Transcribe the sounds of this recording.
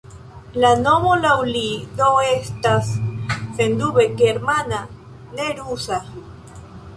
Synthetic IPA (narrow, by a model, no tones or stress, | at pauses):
lanomolawlinoest̪assend̪uβekeːɾmana | neɾusa